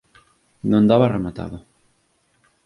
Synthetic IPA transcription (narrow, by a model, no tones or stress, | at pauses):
nõnd̪aβaremat̪a̰ðʊ